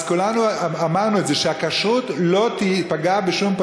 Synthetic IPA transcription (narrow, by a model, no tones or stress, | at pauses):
z̥kulanuamaʁnueze̞ʃeakaʃut̪lo̞t̪ipaɡabeʃump